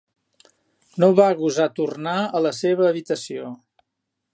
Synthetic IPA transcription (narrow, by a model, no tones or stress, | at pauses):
noβaɣuzat̪urnaələseβəːβit̪əsio